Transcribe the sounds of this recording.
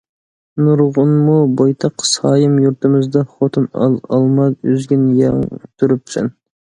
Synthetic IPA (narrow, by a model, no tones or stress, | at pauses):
nuɾʁʊnmubojt̪ʰɑqsɑːjɨmjuɾt̪ɪmɪzd̪ɑχot̪ʰunɑ̰ɑ̰lˠmɑd̪yzɡʲinjɑŋt̪ʰuɾyp̚t̪ʰsɛ̰n